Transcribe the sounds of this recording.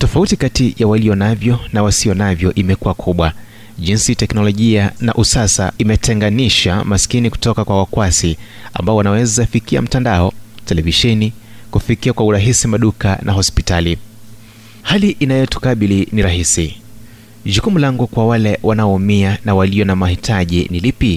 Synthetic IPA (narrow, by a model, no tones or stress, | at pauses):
tɔfautikatijawaliɔnavjɔnawasijɔnavjɔʔimɛkuwakʰuɓwa | ʄinsitɛknɔlɔʄiana̰ʔusasa̰imɛtɛŋɡaniʃa̰maskiniku̥tɔkakwawakwasi | a̰mbaɔwanawɛzafikia̰m̩tandaɔtɛlɛviʃɛni | kufikiakwauɾaɦisimaɗuka̰nʔa̰ɦɔspitali | haliʔinajɛtu̥kaɓiliniɾaɦisi | ʄukumulaŋɡukwawalɛwʔanaɔːmianawaliɔnamahitʰaʄinilipi